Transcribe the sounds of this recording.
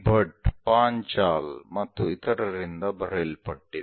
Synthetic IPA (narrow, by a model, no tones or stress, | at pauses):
bʱɐʈpaːɲt͡ʃaːlmɐt̪ːuit̪ɐɾɐɾind̪ɐbʱɐɾelpɐʈːid̪